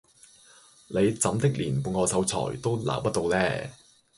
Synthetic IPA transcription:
le˨˧jt͡sɐ˨˥mt̪ɪ˥k̚liː˨˩npuː˧nŋɔː˨˧sɐ˨˥wt͡sʰɔ̰ː˨˩jt̪o˥wla̰ː˨˩pɐ˥t̚t̪o˧wlɛː˥

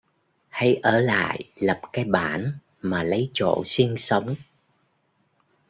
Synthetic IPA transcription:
ha˧jʔəː˧˩la̰ː˧˨jlə˨˩p̚kaː˨˦jɓaː˧˩n | maː˨˩lə˨˦jt͡ɕo̰˧˨si˧ŋsə˨˦wŋ͡m

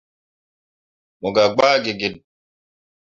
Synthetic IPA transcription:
mɔ˨ɡa˨ɡ͡baː˦ɡe˨ɡe˨n

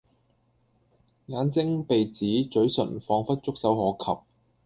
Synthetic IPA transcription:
ŋaː˨˧nt͡sɪ˥ŋpe˨jt͡siː˨˥t͡ʃɵ˨˥ɥsɵ̰˨˩nfɔː˧ŋfɐ˥t̚t͡sʊ˥k̚sɐ˨˥whɔː˨˥kʰɐ̰˨p̚

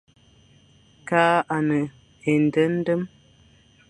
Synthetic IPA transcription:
kaː˦ʔa˨nə˨ | e˨n̩˨də˦n̩˦də˦m

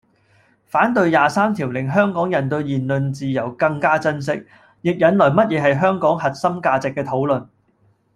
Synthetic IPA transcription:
faː˨˥nt̪ɵ˧ɥjaː˨saː˥mt̪ʰiː˨˩wlɪ˨˩ŋɦœː˥ŋkɔː˨˥ŋjɐ˨˩nt̪ɵ˧ɥjiː˨nlɵ˨nt͡siː˨jɐ˨˩wkɐ˧ŋkaː˥t͡sɐ˥ns̬ɪ˥k̚ | jɪ˨k̚jɐ˨˥nlɔː˨˩jmɐ˥t̚jɛː˨˧ɦɐ˨jɦœː˥ŋkɔː˨˥ŋhɐ˨t̚sɐ˥mkaː˧t͡sɪ˨kːɛː˧t̪ʰo˨˥wlɵ˨n

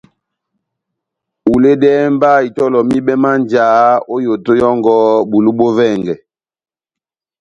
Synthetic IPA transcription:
u˨le˦dɛː˦m˦ba˦˨i˨tɔ˦lɔ˨mi˦ɓɛ˦ma˦nd͡ʒaː˨˦o˦jo˨to˦jɔ˦ŋɡɔ˦bu˨lu˦ɓo˦vɛ˦˨ŋɡɛ˨

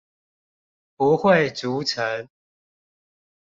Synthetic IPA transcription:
pu˨˦xwe˥˨ɪt͡su˨˦t͡sʰə˨˦ŋ

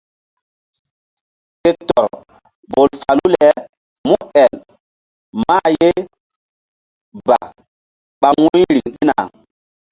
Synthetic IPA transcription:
ke˦tɔ˨ɾ | bo˨lfa˨lu˦lɛ˨˦ | mu˦ɛ˨l | ma˦je˦ | ba˨ | ɓa˨wu˦jɾi˨ŋɗi˦na˨

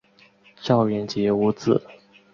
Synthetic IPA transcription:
ɕjɑ˥˧ʊɥɛ˨˧˩nt͡ɕjɛ˧˥u˧˥t͡sɹ̩̰˥˩

